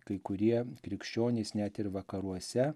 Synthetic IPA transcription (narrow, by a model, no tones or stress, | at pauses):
kɐɪkʊɾʲiɛkɾʲɪkʃʲt͡ʃʲoːnʲeɪsnʲæt̪ɪɾʋɐkɐɾuɔsʲɛ